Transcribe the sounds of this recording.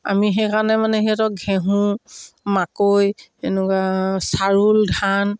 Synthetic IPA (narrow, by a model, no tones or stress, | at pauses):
a̰mixekanɛmanɛɦiatɔɡʱɛɦũmakojenukwasaɹuldʱan